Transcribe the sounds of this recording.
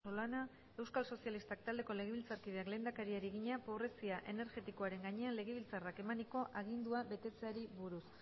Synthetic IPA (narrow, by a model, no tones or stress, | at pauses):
olana | e̞wskalso̞sialist̪ak̚t̪ald̪e̞ko̞le̞ɣ̞eβilt͡saɾkið̞eakle̞ːnd̪akaɾiaɾiɣiɲapo̞β̞ɾe̞siaʔe̞ne̞ɾɣe̞t̪iko̞aɾe̞ŋɡaɲe̞anle̞ɣ̞eβ̞ilt͡sarake̞maniko̞ʔaɣ̞ind̪uaβe̞t̪e̞t͡se̞aɾiβuɾus